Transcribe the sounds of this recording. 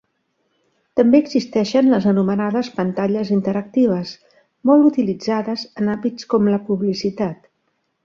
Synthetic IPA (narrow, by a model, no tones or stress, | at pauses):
t̪əmbeəɡzist̪ɛʃənləzənumənaðəspənt̪aʎəzint̪əɾək̚t̪iβ̞əs | mɔlˠut̪ilid͡zaðəzənamit͡skɔmləpuβlisit̪at̪